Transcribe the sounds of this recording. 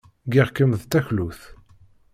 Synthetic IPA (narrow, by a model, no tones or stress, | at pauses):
ɡiʁkəmðt̪æçluθ